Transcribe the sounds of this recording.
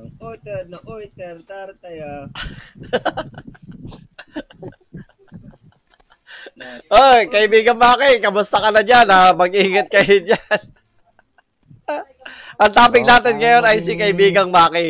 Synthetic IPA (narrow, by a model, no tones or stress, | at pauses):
ʔot̪ɛnoʔot̪ɛɾt̪aɾt̪ɐja | ʔojkɐʔɪbiːɡɐŋmaːkɪkɐmʊst̪ɐkɐlɐɲanɐmɐɡʔiːŋɐt̪̚kɐjoɲan | ʔɐŋt̪aːpɪŋnaːt̪ɪnŋɐjo̞nʔɐjsikɐʔɪbiːɡɐŋmaːkɪ